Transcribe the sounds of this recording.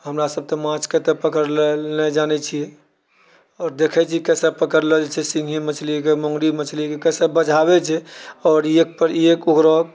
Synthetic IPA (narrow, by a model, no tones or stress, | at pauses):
ɦəmɾasəb̚t̪ɔmãt͡ʃket̪epəkəɾlelnɛd͡ʒanɛt͡ʃʰijɛ | ɔːɾd̪ekʰɛt͡ʃʰikɛsɛpəkəɾled͡ʒt͡ʃʰɛsĩŋɡʱimət͡ʃʰlikemõŋɡɾimət͡ʃʰlikekɛsɛbəd͡ʒʱaβɛt͡ʃʰɛɔːɾiek̚pəɾiekuɡɾɔ